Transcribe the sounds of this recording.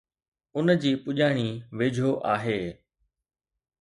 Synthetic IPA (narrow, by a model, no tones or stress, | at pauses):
ʊnd͡ʑiːpʊʄaːɽ̃iːʋeːd͡ʑʱoːʔaːɦeː